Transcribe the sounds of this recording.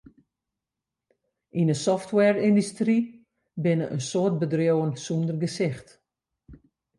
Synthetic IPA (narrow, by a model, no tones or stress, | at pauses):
ʔinəsɔftwɛrindystri | bɪnəʔənsoət̚bədrjowənsundərɡəsɪxt